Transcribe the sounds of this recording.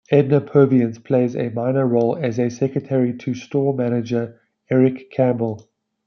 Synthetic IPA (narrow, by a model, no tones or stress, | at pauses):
ɛdⁿnəpʰɜːviə̃nz̥pʰl̥eɪzə̰mãɪnəɹoʊləzəsɛkɹətʰɛɹitʰəstɔːmænɪd͡ʒə | ɛɹɪkʰːæ̃mbəlˠ